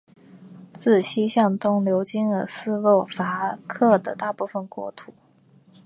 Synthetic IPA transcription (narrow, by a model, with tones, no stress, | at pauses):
t͡sɹ̩˥˩ɕi˥ɕjɑ˥˩ŋt̪ʊ˥ŋljo˧˥ʊt͡ɕi˥nə˧˥sɹ̩˥lwɔ˥˩fa˧˥kʰɤ˥˩d̪ə˩t̪a˥˧pu˥˩fə˨˩nkwɔ̰˥˩t̪ʰu˨˩˦